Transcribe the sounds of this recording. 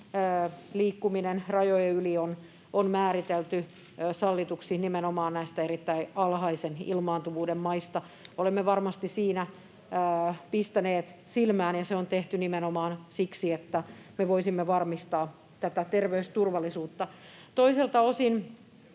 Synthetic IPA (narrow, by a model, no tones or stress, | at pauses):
liːkːuminenrɑjojeylion | onmæːɾit̪elt̪y | sɑlːit̪uksinimenomɑːnnæist̪æeɾit̪ːæiɑlhɑisenḭlmɑːnt̪uʋuːdemmɑist̪ɑ | olemːeʋɑrmɑst̪isiːnæ | pist̪æneːt̪silmæːnjɑseont̪eht̪ynimenomɑːnsiksiet̪ːæmeʋoisimːeʋɑrmist̪ɑː | t̪æt̪æt̪erʋeyst̪urʋɑlːˑisuːt̪ːɑ | t̪oiselt̪ɑosin